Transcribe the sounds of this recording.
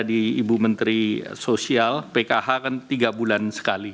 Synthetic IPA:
diːbumənt̪ɾisosialpekaɦakant̪iɡabulansə̥kali

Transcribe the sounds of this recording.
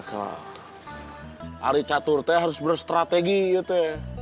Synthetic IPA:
kala̰ | ʔa̰ɾit͡ʃat̪ʊrt̪ɛɦaɾʊsbərst̪ɾat̪eɡijɛt̪ɛ

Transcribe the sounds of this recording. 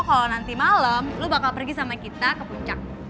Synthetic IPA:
kalonant̪imaləmlubakalpərɡisamakit̪akəpuɲt͡ʃak̚

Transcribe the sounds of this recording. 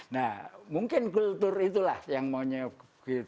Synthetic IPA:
namuəŋkɛnkult̪urʔit̪ulajaŋmaɲə | ki

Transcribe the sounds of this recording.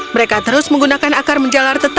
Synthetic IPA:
məɾekat̪əɾʊsməŋɡunakanakarməɲd͡ʒalart̪ət̪a

